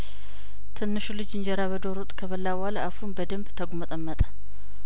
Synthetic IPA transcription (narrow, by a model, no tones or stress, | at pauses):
t̪ʰɨnːɨʃulɨd͡ʒɨɲd͡ʒɛɾaβəd̪oɾut̪ʼkʰəβəlːawaləʔafunbəd̪əmbt̪ʰəɡumət̪ʼəmːət̪ʼə̥